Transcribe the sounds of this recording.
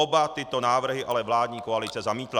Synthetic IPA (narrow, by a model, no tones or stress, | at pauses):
obat̪ɪt̪o̞naːvr̩ɦɪʔalɛvlaːd̪ɲiːkoalɪt͡sɛzamiːt̪la